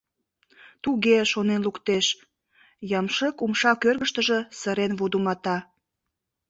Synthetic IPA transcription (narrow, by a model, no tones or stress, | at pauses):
t̪uɣeʃonenlukt̪eʃ | jɑmʃəkumʃɑkørɣəʃt̪əʒə̽səɾenβud̪umɑt̪ɑ